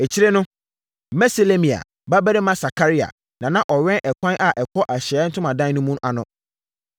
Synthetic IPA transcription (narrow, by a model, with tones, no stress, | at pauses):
e˨t͡ɕʰi˦ɾe˦nʊ̃˦ | mɛ˦se˨le˦mĩ˨a̰˨ | ba˦bæ˦ɾɪ˦mã˦sa˨kʰa˦ɾi˦a̰˨ | nã˨nã˦ʔɔ˨ɥɛ̃˦nʔɛ˨kʷʰã˦nʔa˨ʔɛ˨kʰɔ˦ʔa˨ɕɛ˦n̩˦tʰʊ̃˦mã˨dã˦n˦nʊ̃˦mũ˦na˨nʊ̃˦